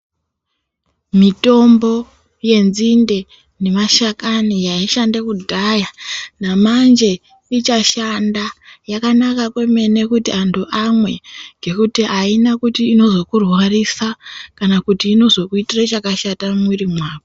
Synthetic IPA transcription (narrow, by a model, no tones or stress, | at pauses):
mito̞mbo̞ | je̞nzinde̞ | ne̞maʃakanijaiʃandekudʱajanamand͡ʒe̞ | it͡ʃaʃandajakanakakwe̞me̞ne̞kutiantʰuʔamwe̞ɡʱe̞kutiʔainakutiːno̞zo̞kurwarisakanakutiːno̞zo̞kuitirat͡ʃakaʃatamwirimwaːʋo